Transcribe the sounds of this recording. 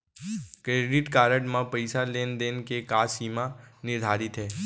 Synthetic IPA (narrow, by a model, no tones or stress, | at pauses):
kɾeːɖɪʈkaːɾəʈmãpəɪsaleːnd̪eːnkekaːsiːmanɪɾd̪ʱaːɾɪt̪ɦɛː